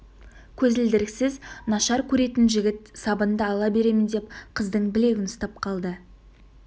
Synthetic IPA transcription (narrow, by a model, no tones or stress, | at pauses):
kʲʰɵzɪld̪ɪɾɪksɪznɑʃɑɾkʲʰɵɾe̞t̪ɪnʒɪɡʲɪt̪sɑbənd̪əɑlˠɑbe̞ɾe̞mɪnd̪e̞p̚qʰəzd̪əɴbɪle̞ɡʲɪnʊst̪ɑp̚qʰɑlˠd̪ə